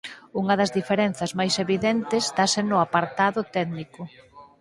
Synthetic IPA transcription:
uŋɐðɐzðifeɾenθɐzmajseβiðɛnt̪ɪst̪asenʊapaɾt̪aðʊt̪ɛðnikʊ

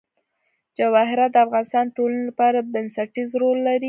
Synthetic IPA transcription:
d͡ʒawɑɦɪɾat̪̚d̪əafɣɑnɪst̪ɑnd̪əʈolanelapɑɾabɪnsaʈizɾolːaɾi

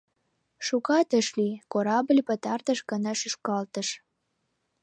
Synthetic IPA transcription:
ʃukɑt̪əʃlikoɾɑblʲpət̪ɑrt̪əʃɡənɑʃyʃkɑlt̪əʃ

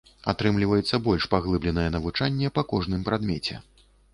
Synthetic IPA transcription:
at̪ɾɨmlʲivɐjɛt̪sːɐbɔlʲʂpaɣlˠɨblʲɛnɐjɛnɐvut͡ʂanʲːɛpɐkɔʐnɨmpɾad̪mʲɛt͡sʲɛ̰

